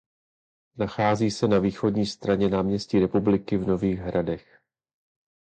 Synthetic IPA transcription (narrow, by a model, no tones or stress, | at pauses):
naxaːziːsɛnaviːxo̞dɲiːst̪ɾaɲɛnaːmɲɛsciːɾɛpublɪkɪvno̞viːɣɦɾadɛx